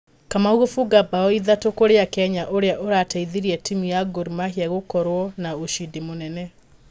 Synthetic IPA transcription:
kamauɣofuɡabaɔiðatokoɾeakɛɲaʔoɾeaʔoɾataiðiɾiɛtimijaɡoɾimahiaɣokɔɾwɔnaoʃidimonɛnɛ

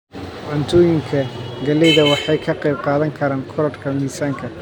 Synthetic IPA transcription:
ʕant̪ʰɔːjɪŋkʰɐɡɐlɛjðɐwɑħɑjkʰɐqɛjb̚qɑːðɐŋkʰɐɾaːŋkʰɔɾɔrkʰɐmiːsaːŋkʰɐ

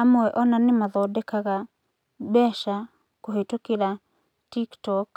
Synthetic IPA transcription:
amoɛʔɔnanemaðɔdɛkaɣa | bɛʃa | koɦetokeɾa | tiktɔk

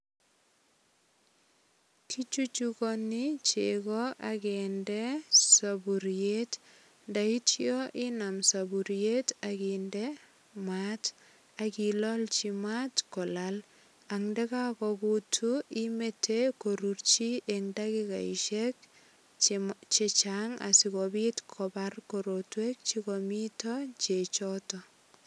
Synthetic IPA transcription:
tʰit͡ʃut͡ʃukɔnit͡ʃekɔʔakɛndɛsabuɾjet | ndaitjɔʔinamsabuɾjetakindɛ | mat | akilɔlt͡ʃimatkɔlal | aŋdɛkakɔkutʰuimetʰekoɾurt͡ʃiʔeŋdakika̰iʃɛk | t͡ʃɛt͡ʃaŋa̰sikobitkʰɔbarkoɾotwek̚t͡ʃikomitɔt͡ʃet͡ʃɔtɔ

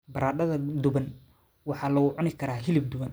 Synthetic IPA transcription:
bɐɾaːdɐðɐd̪ʊβɐn | wɑħɑːlɐɣʊʕʊnɪkʰɐɾaːɦɪlɪb̚d̪ʊβɐn

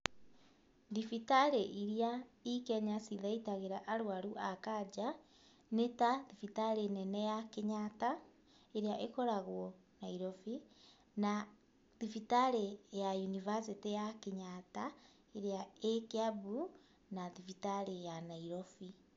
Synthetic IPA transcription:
ðifitaɾeʔiɾiaikɛɲasiðaitaɣeɾaʔaɾwaɾuʔakad͡ʒa | netaðifitaɾenɛnɛjakeɲata | eɾeaʔekɔɾaɣwɔnaiɾɔfi | na | ðifitaɾejajunivasitejakeɲata | eɾeaekeabu | naðifitaɾejanaiɾɔfi

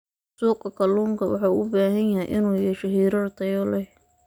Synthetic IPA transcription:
suːqɐkʰɐluːŋkʰɐwɑ̰ħɑ̰ʊbaːɦɐnjɐɦɛjʔɪnuːjɛʃɛɦiːɾɐrt̪ʰɐjɔlɛj

